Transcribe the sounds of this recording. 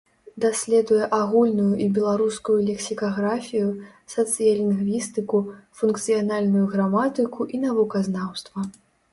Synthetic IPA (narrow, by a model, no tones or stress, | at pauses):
d̪asʲlʲɛd̪ujɛʔaɣulʲnujuʔibʲɛlˠaɾuskujulʲɛksʲikaɣɾafʲiju | sɐt̪sɨjɐlʲinɣvʲist̪ɨkufunkt̪sɨjanalʲnujuɣɾamat̪ɨkuʔinavukɐznawst̪vɐ